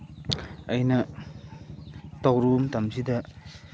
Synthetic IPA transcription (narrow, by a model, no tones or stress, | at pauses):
ɐjnɐ | tawɾumtamsidɐ